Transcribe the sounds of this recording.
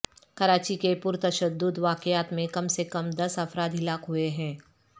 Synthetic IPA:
kɐɾaːt͡ʃikepʊɾt̪ɐʃəd̪ːʊd̪ʋaːkɪaːt̪mẽkɐmsekɐmd̪ɐsɐfɾaːd̪ɦɪlaːkɦueɦɛ̃ː

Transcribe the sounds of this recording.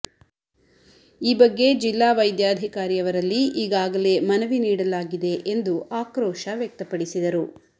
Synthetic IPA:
iːbɐɡːe̞d͡ʒilːaːʋɐjd̪jaːd̪ʱikaːɾijɐʋɐɾɐlːiʔiːɡaːɡɐle̞mɐnɐʋiniːɽɐlaːɡid̪e̞ʔend̪uaːkɾɔːʃɐʋjɐk̚t̪ɐpɐɽisid̪ɐɾu

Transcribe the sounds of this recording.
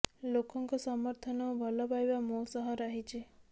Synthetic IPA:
lokɔŋkɔsɔmɔɾt̪ʰɔnɔbʱɔlɔpajbamosɔɦɔɾaɦit͡ʃʰe

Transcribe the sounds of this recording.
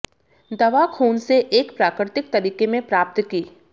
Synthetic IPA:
d̪ɐʋakʰuːnseʔeːkpɾaːkɾɪt̪ɪk̚t̪ɐɾiːkemẽpɾaːp̚t̪kiː

